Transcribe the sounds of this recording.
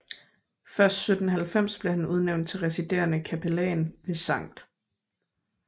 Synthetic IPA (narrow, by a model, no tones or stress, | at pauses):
fɶɐsd̥sød̥n̩ɦælfem̰sb̥le̝hænuð̞ˠneʊnd̥̚t͡sʰe̝lʁɛsid̥e̝̰ːɐnəkʰæpʰelɛ̰ːnʋe̝sɑ̈ŋ̰d̥